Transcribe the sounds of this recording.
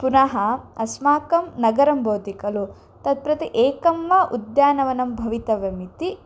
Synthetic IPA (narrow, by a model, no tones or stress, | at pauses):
punɐɦɐɐsmaːkɐmnɐɡɐɾɐmbʱɐːt̪ikɐlu | t̪ɐd̪̚pɾɐt̪iʔeːkɐmʋaʔud̪jaːnɐʋɐnɐmbʱɐʋit̪ɐʋɐmit̪i